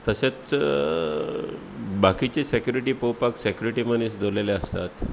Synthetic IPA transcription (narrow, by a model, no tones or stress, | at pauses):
t̪əset͡s | bakit͡ɕesekjuɾiʈiːpowpaksekjuɾiʈiməñisd̪ʱoleleəst̪a̰t̪